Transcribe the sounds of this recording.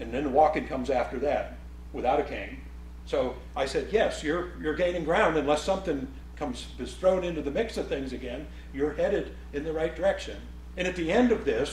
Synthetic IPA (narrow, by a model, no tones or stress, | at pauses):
ɨ̃nðɨ̃nwɔkɪ̃ŋkʰʌ̃mzæftə˞ðɨt̚ | wɨθaʊɾɨkʰẽɪ̃n | soʊ | aɪsɛd̚jɛsjə˞jə˞ɡẽɪ̃ñɪ̃ŋɡɹãʊ̃ndɨ̃nlɛsʌ̃mθɪ̃ŋ | kʰʌ̃mz̥b̥ɨsθɹõʊ̃nɪ̃ntʉðɨmɪksʌv̥θɪ̃ŋzɨɡɛ̃n | jə˞hɛɾɨɾ | ɨ̃nðɨɹaɪt̚d̥ə˞ɛkʃɨ̰̃n | ɨ̃ñɨt̪̚ðiɛ̃ndʌvðɪs